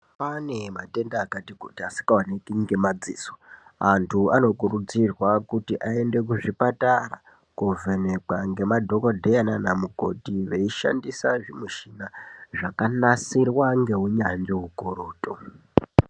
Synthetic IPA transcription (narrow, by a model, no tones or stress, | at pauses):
pane̞mate̞ndaːkatikutiasi̥kawanekiŋɡe̞mad͡zḭːso̥antʰuano̞kurud͡zirwakutiʔae̞nde̞k̬uʐipatara̰ | kuvene̞kaŋɡe̞madʱo̞kodʱejananamuko̞tiʋeiʃa̰ndisaʐimuʃinaʐakanasirwaŋɡe̞ɦuɲaɲd͡ʒeɦukoɾo̞ːto